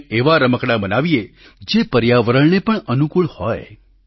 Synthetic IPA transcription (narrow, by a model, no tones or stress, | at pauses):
eʋaɾəməkɽabənaʋie | d͡ʒepəɾjaʋəɾəɭnepəɳənukuɭhɔj